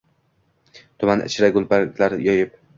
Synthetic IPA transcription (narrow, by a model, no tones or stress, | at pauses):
t̪ʰʊmanɪ̰t͡ʃʰɾaɡʊlˠpʰakʲʰlaɾjɒjɪp̚